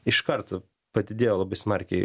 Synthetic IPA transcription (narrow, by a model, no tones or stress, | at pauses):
ɪʃkɐɾt̪ɐ | pɐd̪ʲɪd̪ʲeːjoːlˠɐbɐɪsmɐɾʲkʲɛɪ